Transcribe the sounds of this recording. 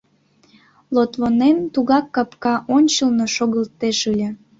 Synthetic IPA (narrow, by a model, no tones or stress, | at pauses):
lot̪βonent̪uɣɑkːɑpkɑʔonʲt͡ɕəlnoʃoɣəlt̪eʃɯlʲĕ